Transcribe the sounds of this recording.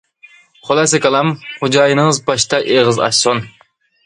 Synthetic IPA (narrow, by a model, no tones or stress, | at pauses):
χʰolˠɛsɪkʲɑlˠɑmχʊd͡ʒɑːjɨnɨŋɨzbɑʃt̪ʰɑʔeʁɨzɑ̰ʃson